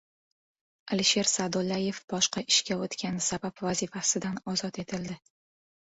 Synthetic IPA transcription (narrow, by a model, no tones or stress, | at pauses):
aliʃe̞ɾsad̪olːaje̞fbɒʃqɑʔɪʃkʲaot̪kʲanɪsabapvazifasɪd̪anɒzɒt̪e̞t̪ʰɪld̪ɪ